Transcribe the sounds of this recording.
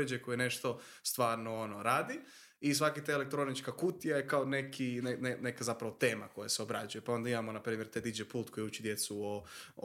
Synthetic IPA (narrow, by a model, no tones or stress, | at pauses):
ed͡ʒekojene̞ʃt̪o̞ | st̪ʋaːɾnoonoɾaːd̪i | is̬ʋakit̪aelek̚t̪ɾo̞nit͡ʃkakut̪ijajekaonekʰinenenekazapɾaʋo̞t̪e̞ːma̰ko̞jaseo̞bɾad͡ʒujepao̞nd̪aimamo̞napɾiːmjeɾt̪ad̪id͡ʒepuːlt̪kojeut͡ʃid̪je̞t̪suo